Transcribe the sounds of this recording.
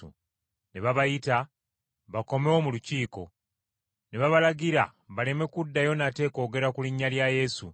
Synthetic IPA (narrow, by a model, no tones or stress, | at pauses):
ṵ | neβaβajita | βako̞mewomuluciːko̞̰ | ne̞βaβalaɡiɾa̰βale̞me̞kudːajo̞nate̞ko̞ːɡe̞ɾakuliɲːaljaje̞sṵ